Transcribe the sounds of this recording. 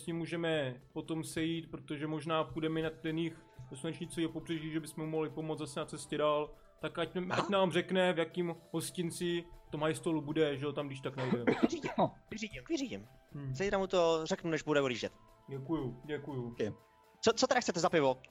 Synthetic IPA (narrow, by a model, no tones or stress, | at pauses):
sɲimːuːʒɛmɛpo̞t̪o̞msɛjiːt̪pɾo̞t̪o̞ʒɛmo̞ʒnaːpudɛmɛnat̪dɛnix | dosunɛt͡ʃɲit͡sojɛpobr̥ɛʒiːʒɛbɪsmɛmumoɦlɪpo̞mot͡sd͡zzasɛnat͡sɛscɛdaːl | t̪akʔacʔacnaːmrɛknɛvjakiːmɦo̞scɪnt͡sɪft̪omɦajst̪olubudɛʒɛot̪amɡdɪʃt̪aknajdɛiɟkvɪriːɟɪmkvɪriːɟɪm̩ | zɛjt̪ɾamut̪orɛknunɛʒbudɛuliːʒɛt̪ | ɟɛkujuɟɛkuju | t͡sot͡sot̪ɛɾaxt͡sɛt̪ɛzapɪvo